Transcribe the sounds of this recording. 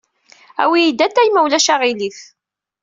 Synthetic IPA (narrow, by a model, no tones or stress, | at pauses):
æ̰wijid̪æt̪ːæjmæwlæʃaʁiliθ